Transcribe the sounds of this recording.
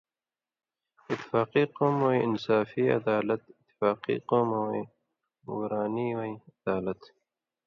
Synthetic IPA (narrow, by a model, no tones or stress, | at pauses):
ɪt̪ːi̥faːqiːqoːmwoiɪnsaːfiːɐ̰d̪aːlɐt̪ɪt̪ːi̥faːqḭːqoːmwi | wɾaːniːwaiɐd̪̥aːlɐt̪